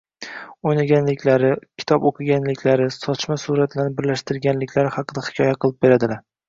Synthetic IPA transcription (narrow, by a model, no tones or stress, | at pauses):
ojnaɡʲanlɪkʲʰlaɾɪkʲʰɪ̥t̪ʰɒpoqʰɨɡʲanlɪkʲʰlaɾɪsɒt͡ʃmasuɾat̪ʰlaɾnɪbɪɾlaʃt̪ɪɾɡʲanlɪkʲʰlaɾɪhɑqɨd̪ahɪ̥kʰʲɒjaqɨlˠɪp̚be̞ɾad̪ɪlaɾ